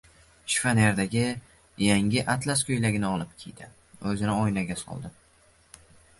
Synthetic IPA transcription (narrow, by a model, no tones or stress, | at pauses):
ʃfaneɾd̪aɡʲɪ | jaŋʲɪʔat̪laskʰʲɵjlaɡʲɪnɪɒlˠɪp̚kʲʰijd̪ɪ | ɵzɪnɪɒjnaɡʲasɒ̰lˠd̪ɪ